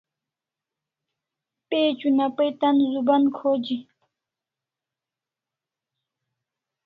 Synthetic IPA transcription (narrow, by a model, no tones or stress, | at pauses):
pet͡ɕunapəjt̪anzubankʰod͡ʑi